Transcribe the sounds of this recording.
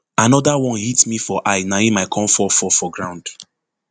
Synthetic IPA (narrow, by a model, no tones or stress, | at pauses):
anɔdawɔ̃nhitmifɔʔaɪnaĩmaɪkʰɔ̃mfɔfɔfɔɡɹãʊ̃nd̥